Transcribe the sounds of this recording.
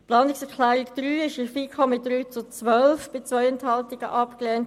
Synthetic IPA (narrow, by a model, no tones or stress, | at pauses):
plɑːnɪksɛʁkʰlæːʁɪkd̪̥ɾyːɪʃifiːkʰɔmɪt̚d̥ɾyːt͡sut͡sʋœlfb̥ɪt͡sʋœʏɛnthɑltɪɡ̥ə̰ʔɑpklɛːnt